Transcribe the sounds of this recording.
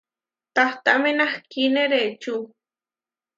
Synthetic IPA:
t̪aht̪aʔmenahkineɾet͡ʃu

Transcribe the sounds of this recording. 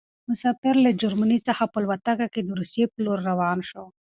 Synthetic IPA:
mʊsaːfɪɾləd͡ʒaɾmanit͡səxapəlwat̪akaked̪əɾusjepəloɾːawɑːnʃo

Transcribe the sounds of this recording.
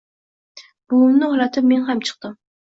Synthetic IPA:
b̥ʊʊmnɪhɒlat̪ʰɪp̚me̞nɦamt͡ʃʰɨ̥q̚t̪ɪm

